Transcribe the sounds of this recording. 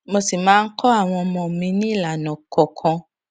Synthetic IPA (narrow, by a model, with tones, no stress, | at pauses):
mo˧si˨mãː˨˦n̩˦kʰɔ˦a˦˨w̃ɔ̃˧ɔ˧mɔ̃˧˨mĩ˧nĩ˦˨la˨nɔ̃˨kɔ˨kʰɔ̃˧